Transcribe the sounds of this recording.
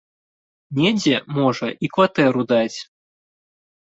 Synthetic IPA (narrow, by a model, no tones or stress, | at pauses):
nʲɛd͡zʲɛmɔʐɐʔikvat̪ɛɾud̪at͡sʲ